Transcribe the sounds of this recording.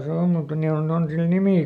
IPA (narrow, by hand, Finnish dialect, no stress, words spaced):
se om mutːɑ ni on on sil nimiˑ